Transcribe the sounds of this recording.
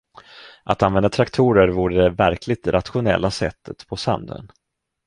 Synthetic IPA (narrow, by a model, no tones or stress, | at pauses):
ʔat̪anvɛnd̪at̪ʰɾakt̪ʰuːɾəɾvuːɾəd̪ɛvæɾkʰlɪɡ̚t̪ɾʔat̪ɧʊnɛ̰lːasɛt̪ʰːət̪pʰɔsa̰md̪ə̰n